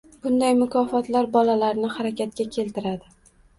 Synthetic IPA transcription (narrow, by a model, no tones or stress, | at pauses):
b̥ʊnd̪ajmʊkʰɒfɒt̪laɾbɒlalaɾnɪhaɾakʲat̪̚kʲakʲʰe̞lt̪ɪɾad̪ɪ